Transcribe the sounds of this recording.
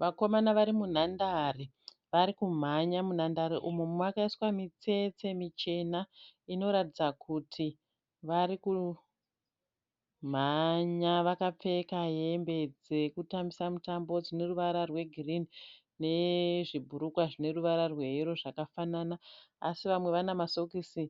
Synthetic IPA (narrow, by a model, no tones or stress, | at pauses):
ʋako̞manaʋaɾimun̤andari | ʋaɾikum̤aɲamunandaɾiʔumomumwakaiswamit͡se̞t͡se̞mit͡ʃe̞naino̞ɾatid͡zakʰutʰi | ʋaɾiku | m̤aɲaʋakap͡fe̞kaje̞mbe̞d͡zekutamisamutambo̞d͡zine̞ruʋaɾarwe̞ɡʱirini | ne̞ʐibʱuɾukwaʐine̞ruʋaɾarwe̞iɾo̞ʐakafananaːsiʋamwe̞ʋanamaso̞kisi